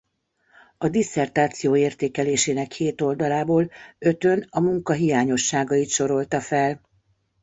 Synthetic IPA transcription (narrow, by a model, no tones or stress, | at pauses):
ɒd̪isɛrt̪aːt̪sijoːeːrt̪eːkɛleːʃeːnɛkheːt̪o̞ld̪ɒlaːboːlø̞t̪ø̞nɒmuŋkɒɦijaːɲo̞ʃːaːɡɒit̪ʃo̞ɾo̞lt̪ɒfɛl